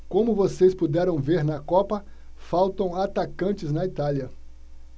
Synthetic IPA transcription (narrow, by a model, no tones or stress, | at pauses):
kõmʊvosespud̪ɛɾɐ̃w̃veɾnɐkɔpɐ | fawt̪ɐ̃w̃at̪akɐ̃nt͡ʃɪznɐit̪aliɐ